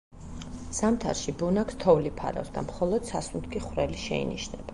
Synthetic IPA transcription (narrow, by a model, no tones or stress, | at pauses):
samt̪ʰa̰ɾʃibunakt̪ʰɔvlipʰa̰ɾa̰fsd̪a̰mχɔlˠɔd̪̥sasunt̪ʰkʰiχwɾɛliʃɛḭniʃnɛb̥a